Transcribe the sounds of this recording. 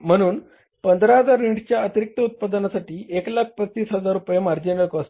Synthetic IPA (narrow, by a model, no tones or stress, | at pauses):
m̤əɽ̃uːn | pənd̪ʱɾaɦəd͡zaɾːiɳʈt͡ɕjaət̪iɾik̚t̪əut̪̚pad̪ənasaʈiːeklak̚ʰpətt͡ɕiːsɦəd͡zaɾːupjemaɾd͡ʑinəkəs